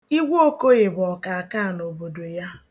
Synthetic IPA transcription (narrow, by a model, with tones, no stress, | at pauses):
i˦ɡʷo˦ko˦ɣe˨bʊ˨ɔ˨ka˨a˨ka˦˨no˨bo˨do˨ja˦